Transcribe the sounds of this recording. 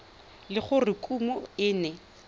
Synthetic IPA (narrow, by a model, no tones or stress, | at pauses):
lɪχʊrɪkʼumɔɪːnɛ